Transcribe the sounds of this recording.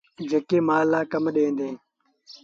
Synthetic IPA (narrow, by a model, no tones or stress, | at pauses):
d͡ʒeːkeːmaːlːaːkəmɗẽːnd̪eː